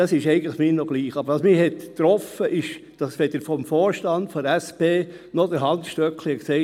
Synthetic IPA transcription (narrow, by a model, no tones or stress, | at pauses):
ɑsɪʃɛɪɡən̩tˡləχmɪːnoɡ̥liːχɑb̥ɾʋɑsmɪhɛttɾɔfəʔɪʃd̥ɑsʋɛd̪əɾfɔmfoːɾʃtɑndfɔæspeː | nɔd̥əɾɦɑntʃtœklɪəksɛɪ